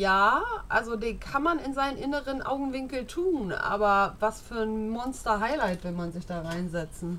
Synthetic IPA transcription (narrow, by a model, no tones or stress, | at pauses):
jaːʔalzodeːnkʰanmanɪnzaɪnənʔɪnəʁənʔa̰ʊɡŋ̩vɪŋkl̩tʰuːnʔa̰ːbɐvasfyːɐnmɔnstɐɦaɪlaɪtv̥ɛlmanzɪçd̥aːʁaɪnzɛt͡sn̩